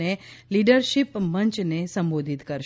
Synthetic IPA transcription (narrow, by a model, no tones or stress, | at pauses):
eliɖəɾʃipməɲt͡ʃnesəmbod̪ʱit̪kəɾʃ